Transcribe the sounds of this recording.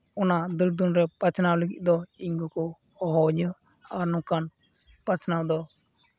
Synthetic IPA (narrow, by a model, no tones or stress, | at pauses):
ɔnad̪uɾd̪unɾɛpat͡ʃnawləɡiʔ̚ʲd̪ɔiŋɡukɔ | ɔɦɔɲ | aɾnukan | pat͡ʃnawd̪ɔ